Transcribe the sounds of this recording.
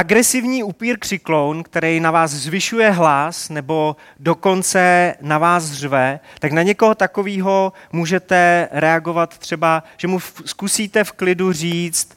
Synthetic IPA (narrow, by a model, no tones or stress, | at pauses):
ʔaɡɾɛsɪvɲiːupiːɾkr̥ɪklownkt̪ɛɾɛjnavaːszvɪʃujɛɦlasnɛbo̞ | do̞ko̞nt͡sɛnavaːsrvɛt̪aknaɲɛko̞ɦot̪ako̞viːɦo̞muːʒɛt̪ɛɾɛaɡo̞vat̪t̪r̝̥ɛbaʒ̥ɛmuskusiːt̪ɛfklɪdur̝iːt͡st̪